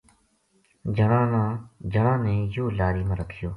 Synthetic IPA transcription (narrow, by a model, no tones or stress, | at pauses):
d͡ʒʱəɳãːnãːd͡ʒʱəɳãːnẽːjoːlaːɾiːmãːɾəkʰɪjoː